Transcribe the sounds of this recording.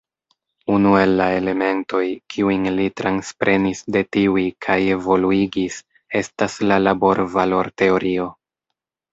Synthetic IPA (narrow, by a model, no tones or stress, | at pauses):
unue̞lːae̞le̞me̞nto̞jkʰiujnlitɾʔanspɾʔe̞nisde̞tiuikʰaje̞vo̞luiɡis | e̞staslalabo̞ɾvalo̞ɾte̞o̞ɾio̞